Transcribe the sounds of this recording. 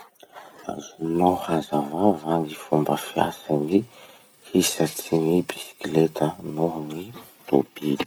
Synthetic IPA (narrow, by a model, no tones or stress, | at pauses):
a̰zunohazavavanifumbəfja̰sani | hisat͡sinibisi̥klet̪ənoɦnit̪o̰bii